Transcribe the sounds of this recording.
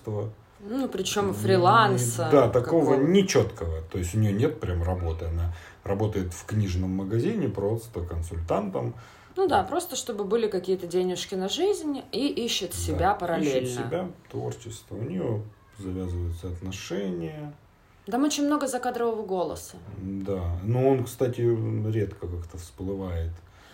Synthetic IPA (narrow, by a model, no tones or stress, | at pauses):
t̪və | nnupɾʲɪt͡ɕo̞mfɾʲɪlˠansəd̪at̪ɐko̞vənʲɪt͡ɕo̞t̪kəvət̪o̞ɪsʲtʲʊnʲɪjonʲe̞t̪̚pɾʲamrɐbo̞t̪ɨɐna | rɐbo̞t̪əjɪt̪fknʲiʐnəmːəɡɐzʲinʲɪpɾo̞st̪əkənsʊlʲt̪ant̪əm | nud̪apɾo̞st̪əʂt̪o̞bɨbɨlʲɪkɐkʲijət̪ədʲenʲɪʂkʲɪnɐʐɨzʲnʲiʔiɕːɪt̪sʲɪbʲapəɾɐlʲelʲnsəɪbʲat̪vo̞̰rt͡ɕɪst̪vəʊnʲɪjo | zɐvʲazɨvəjʊt̪səɐt̪nɐʂɛnʲɪjə | t̪amot͡ɕɪnʲmno̞ɡəzɐkad̪ɾəvəvəɡo̞lˠə̰səd̪anuonkst̪atʲɪɾʲe̞t̪kʰəkakt̪əfsplˠɨvajɪt̪